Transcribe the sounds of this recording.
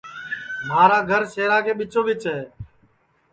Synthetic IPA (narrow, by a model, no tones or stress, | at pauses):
maːɾaːɡʱəɾseːɾaːkʰeːɓɪt͡ʃõːʋɪt͡ʃɦɛː